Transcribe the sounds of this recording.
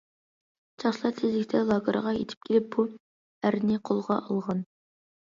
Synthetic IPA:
t͡ʃʰɑχʃlˠɑt̪ʰɪzɪkʲt̪ʰɛlˠɑɡəɾ̰ʁɑjḛt̪ʰɪ̥p̚kʲʰelɪp̚bu | æɾnɪqʰolˠʁɑʔɑlˠʁɑn

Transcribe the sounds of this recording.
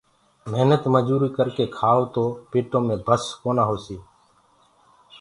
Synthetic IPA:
meɦnət̪məd͡ʒuːɾiːkəɾkeːkʰaːoːt̪oːpeːʈõːmẽːbʱəskoːnaːɦoːsiː

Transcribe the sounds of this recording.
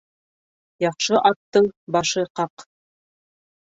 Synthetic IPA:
jɑχʃɤʔɑt̪ːɤɴbɑʃɤqɑq

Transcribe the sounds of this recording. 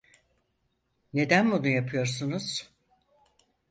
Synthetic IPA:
ne̞d̪ænbunujapʰɯjo̞ɾsunuz̥

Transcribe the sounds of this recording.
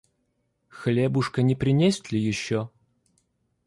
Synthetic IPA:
xlʲebʊʂkənʲɪpɾʲɪnʲesʲɪt̪lʲɪjɪɕːo

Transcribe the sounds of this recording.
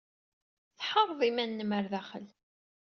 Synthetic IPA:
θħəɾˤðˤimænːəməɾðæχəl

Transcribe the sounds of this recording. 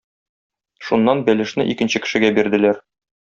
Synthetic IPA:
ʃunːɑnbælɘ̆ʃnɘʔikɘ̆nɕɘkɘ̥̆ʃɘ̆ɡæbiɾd̪ɘ̆læɾ

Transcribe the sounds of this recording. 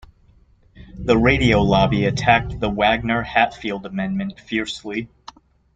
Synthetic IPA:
ðəɹeɪɾioʊlɑbiɨtʰæk̚ðəwæɡ̚nə˞hætfilˠdəmɛ̃nmɨ̃ntfɪɹsli

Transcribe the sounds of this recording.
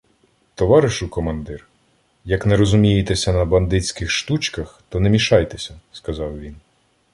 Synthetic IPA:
t̪ɔʋɑɾɪʃʊkɔmɐnd̪ɪr | jɐknɛɾɔzʊmʲijet̪esʲɐnɐbɐnd̪ɪt͡sʲkɪxʃt̪ut͡ʃkɐxt̪ɔnɛmʲiʃɑjt̪esʲɐskɐzɑwʋʲin

